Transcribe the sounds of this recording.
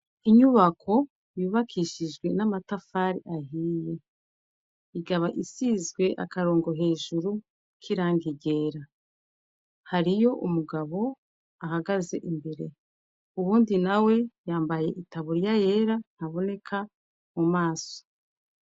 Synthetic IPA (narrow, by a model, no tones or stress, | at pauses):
iɲuβakʰo̞ | juβakʰiʃiʒɡwe̞namatafaːɾiʔaɦiːje̞ | iɡaβaʔisizɡwe̞ʔa̰kaɾo̞ːŋɡo̞ɦe̞ːʒuɾu | kʰiɾaːŋɡiɟe̞ːɾa | haɾijo̞ʔumuɡaβo̞ | ahaɡaze̞̰ʔimbeɾe̞ | uβuːndinawe̞jaːmbaje̞ʔitaβuɾjaje̞ːɾan̥haβo̞ne̞kʰa | mumaːso̥